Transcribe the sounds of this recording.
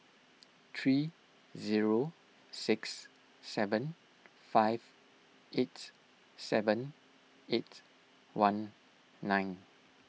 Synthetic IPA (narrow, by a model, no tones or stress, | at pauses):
t̪ʰɹi | ziɹo | sɪksː | ɛvə̃n | faɪv | ʔet | sɛvə̃n | et | wãnː | ãjn